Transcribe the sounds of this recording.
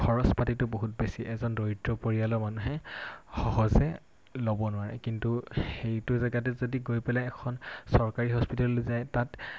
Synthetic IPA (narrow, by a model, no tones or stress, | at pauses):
kʰɔɹɔspatitʊboɦut̚besiʔɛzɔndɔitɹɔpoɹialɔmanuɦɛxɔɦɔzɛ | lobɔnʊaɹɛ̰kintuxejtʊzaɡat̬ɛzodiɡojpɛlaɛkʰɔnsɔɹkaɹiɦɔspitallozajtat